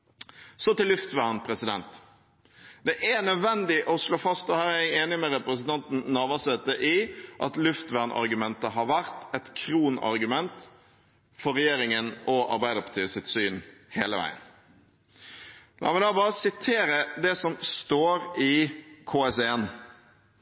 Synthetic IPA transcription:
sɔt̪ɪlːʉft̪ʋæʁnpʰɾɛsɪd̪ɛ̰nt̪ | d̪̥ɛʔænœd̪ʋɛnd̪ɪʔɔsloːfɑst̪ɔhæːɾææɪeːnɪmɛɾɛpɾəsənt̪ʰɑnt̪n̩nɑːʋɑsɛt̪ːəʔɪʔɑt̪lʉft̪ʋæʁnʔɑ̰ɾɡʉmɛnt̪əɦɑɾʋæɾt̪ɛt̪kʰɾuːnɑ̰ɾɡʉmɛnt̪ | fɔɾɛjeːɾɪŋənɔʔɑ̰ɾbæɪəɾpʰɑ̥t̪ʰyːəsɪt̪syːnheːləʋæ̰ɪə̰n | lʔɑ̰ːmɛd̪ɑːbɑːɾəsɪt̪ʰeːɾəd̪ɛsɔmst̪oːɾɪkʰoːɛsɛɛn

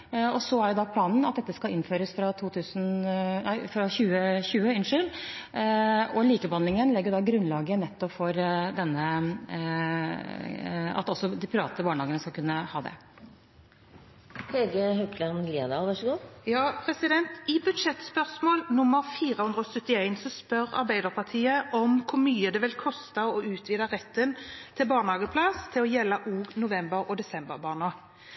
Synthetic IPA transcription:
ɔsɔæɾjʊd̪ɑpʰlɑːnn̩ɑt̪̚d̪ɛt̪ːəskɑʔɪnføːɾəsfɾɑt̪ʰuːt̪ʰʉːsnnæɪfɾɑçʉːəçʉːəɪnʂʏl | ɔliːkəbɑnlɪŋənlɛɡːəjʊd̪ɑɡɾʉnlɑːɡənɛt̪ːɔpfɔɾd̪ɛnːə | ɑ̰t̪ɔsːɔd̪ɪpʰɾʋɑ̰ːt̪əbɑːɳəhɑːɡənəskɑkʰʉnːəhɑːd̪ɛ̰ | hɛlɡəɦœkʰlənlid̪ɑːlʋɑʂɡuːjɑːpʰɾɛsɪd̪ɛnt̪ɪbʉd̪ʃɛt̪spœʁsmoːlnʊmːəɾfiːʁəhʉnd̪ɾəɔsœt̪ːɪæɪnsɔspœʁɑ̰ʁbæɪd̪əʁpʰɑʁt̪ʰiːəʔɔmkʰʊɾmyːəd̪ɛʋɪlkʰɔst̪əɔʉːt̪ʰʋiːd̪əʁɛt̪ːənt̪ʰɪlbɑːɳhɑːɡəpʰlɑst̪ʰɪlɔjɛlːɑʔuːɡnʊʋɛmbəɾɔd̪ɛsɛmbəɾbɑːnɑɡ

